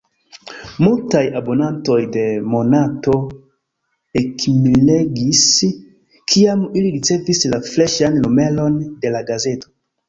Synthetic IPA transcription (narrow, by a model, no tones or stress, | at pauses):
multajabo̞nanto̞jde̞mo̞nato̞ | ekmileɡis | kʰiamiliɾit͡se̞vislafleʃanlume̞lo̞nde̞laɡaze̞to̞̥